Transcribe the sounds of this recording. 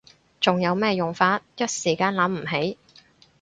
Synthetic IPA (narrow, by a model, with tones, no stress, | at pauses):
t͡sʊ˨ŋjɐ˨˧wmɛː˥jʊ˨ŋfaː˧t̚jɐ˥t̚siː˨˩kaː˧nlɐ˨˥mm̩˨˩ɦe˨˥j